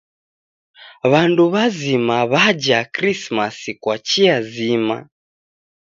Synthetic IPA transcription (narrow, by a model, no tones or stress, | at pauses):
βanduβazimaβad͡ʒakɾismasikwat͡ʃiazima̰